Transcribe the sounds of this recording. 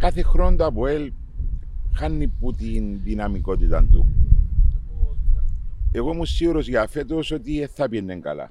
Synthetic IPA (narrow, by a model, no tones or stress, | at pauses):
kaθexɾond̪apoel | xanːipːut̪inðinɐmikot̪it̪a̰nt̪ṵ | eɣomusːiɣuɾos̬ʝafet̪oso̞t̪ieθːapienːeŋkɐ̰la̰